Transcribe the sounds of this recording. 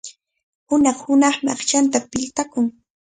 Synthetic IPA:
hʊnɑχhʊnɑχmɑ̰χt͡ʃant̪apɪʎt̪akʊŋ

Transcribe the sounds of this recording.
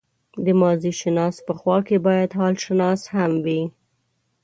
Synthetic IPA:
d̪əmɑziʃɪnɑs̚pəxwɑkebɑjad̪ɦɑlʃɪnɑshamwi

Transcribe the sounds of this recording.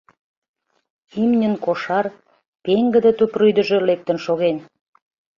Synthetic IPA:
imnʲənkoʃɑr | peŋɡə̆d̪ə̆t̪ypryjd̪ə̆ʒĕlek̚t̪ə̆nʃoɣen

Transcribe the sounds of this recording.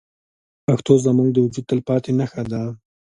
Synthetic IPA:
paxt̪ozəmuŋɡ̚d̪əwʊd͡ʒud̪̚t̪əlpɑt̪enaxad̪a

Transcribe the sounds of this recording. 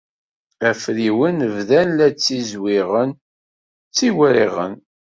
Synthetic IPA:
æfɾiwənəvðænlæt͡sːizwiʁən | t͡sːiwɾiʁə̰n

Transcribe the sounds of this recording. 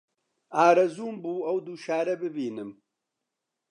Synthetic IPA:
aːɾɐzuːmbuːɐwd̪uːʃaːɾɐbɨbiːnɨm

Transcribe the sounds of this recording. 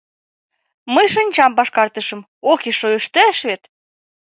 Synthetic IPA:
mɤjʃɤ̆nʲt͡ɕɑmpɑʃkɑrt̪ə̆ʃɤ̆m | okeʃojəʃt̪ææʃβet̪

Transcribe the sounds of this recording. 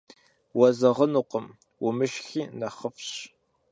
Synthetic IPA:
wɐzɐʁənuːqəm | wʊmɨʃxiːnɐχəfɕ

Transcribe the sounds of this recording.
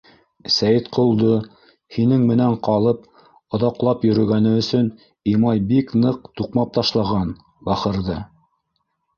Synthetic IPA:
sæjɘt̪qʰŏlˠd̪o | hinɘŋmɘ̆næɴqɑlˠɤp̚ | ŏðɑqlˠɑpjɵ̆ɾɵ̆ɡænɘɵ̆sɵn | imɑjbiknɤq̚t̪uqmɑp̚t̪ɑʃlˠɑʁɑn | bɑχɤ̆ɾðɤ

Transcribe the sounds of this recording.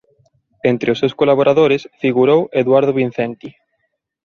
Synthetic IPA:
ent̪ɾɪʊsewskolaβoɾʔaðoɾɪsfiɣuɾoweðwaɾð̞oβin̟θɛnt̪i

